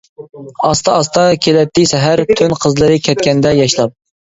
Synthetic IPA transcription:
ɑst̪ʰɑɑst̪ʰɑkʲʰelɛt̪ːɪsɛɦæɾt̪ʰønqʰəzlˠɨɾɨkʲʰɛt̪̚kʲɛnd̪ɛjɑʃlˠɑp̚

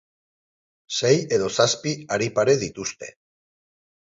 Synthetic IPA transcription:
se̞je̞ðo̞saspiaɾipaɾe̞ðit̪ust̪e̞̰

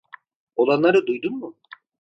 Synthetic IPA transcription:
olˠanlˠaɾɯd̪ujd̪unmʊ

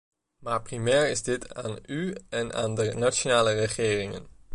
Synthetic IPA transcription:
maːɹprimɛːɹɪzdɪtʰa̰ːnyɛnʔa̰ːndənat͡ʃonaːlərəχɪːrɪŋə̰n

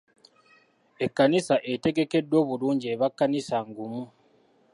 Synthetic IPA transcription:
e̞kːanisaʔe̞te̞ɡe̞ke̞dːwo̞ːβuluːɲɟieβakːanisaŋɡumu

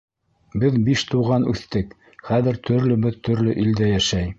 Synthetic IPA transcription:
bɘðbiʃt̪uʁɑnʉ̰θt̪ɘk | χæðɘ̆ɾt̪ʰɵ̆ɾlɵ̆bɘðt̪ɵ̆ɾlɵʔild̪æjæʃæj

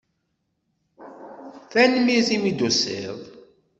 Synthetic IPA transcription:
θænmizimid̪usḭðˤ

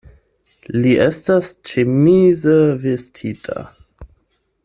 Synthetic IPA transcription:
liʔestast͡ʃemizəvestʰitʰa̰

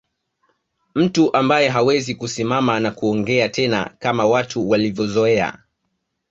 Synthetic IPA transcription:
m̩tuʔambajɛɦawɛzikusimamanakuɔŋɡɛatɛna̰kamawatʰuwalivjɔzɔɛa̰

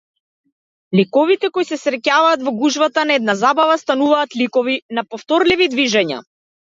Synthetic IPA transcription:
likɔvit̪ɛkɔjsɛsɾɛcavaːt̪vɔɡuʒvat̪anaɛd̪nazabavast̪anuvaːt̪likɔvinapɔft̪ɔɾlivid̪viʒɛɲa̰

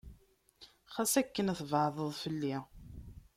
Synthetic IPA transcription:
χæsækːənæθvəʕðˤəðˤfəlːi

